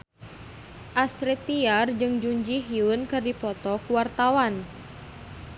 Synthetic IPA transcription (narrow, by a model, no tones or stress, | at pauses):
ʔast̪ɾit̪iard͡ʒɨŋd͡ʒuɲd͡ʒiɦiunkɨrdipɔt̪ɔkuwart̪awan